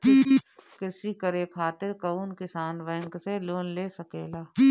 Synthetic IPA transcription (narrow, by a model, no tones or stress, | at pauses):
kɪi | kɪsikəɾekʰaːt̪ɪɾkɐunkɪsaːnʋəːŋkseloːnleːsəkeːlaː